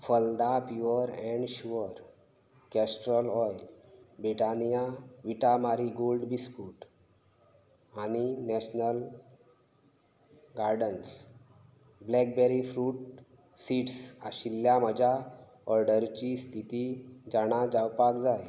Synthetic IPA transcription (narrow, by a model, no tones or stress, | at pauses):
fəld̪apjuəɾɛ̃ɳɖɕuəɾ | kɛsʈɾəlɔjlbɾiʈanijaʋiʈamaɾiɡolɖbispuːʈ | aninɛɕnəl | ɡaɾɖəns | blɛk̚bɛɾifɾuːʈ̚ | siʈsaɕilːjaməd͡ʑʱa | ɔɾɖəɾt͡ɕist̪ʰit̪id͡ʑaɽ̃ad͡ʑawpakd͡zaj